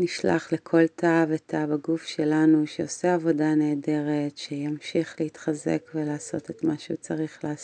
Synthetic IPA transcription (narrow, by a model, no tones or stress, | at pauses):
niʃla̰χlekʰo̞ltʰavetʰavaɡufʃelanuʃeo̞seavo̞dane̞ːde̞ʁetʃejamʃiχlehitχazḛkvelaːso̞̰tetmaʃeṵt͡saʁiχlaːs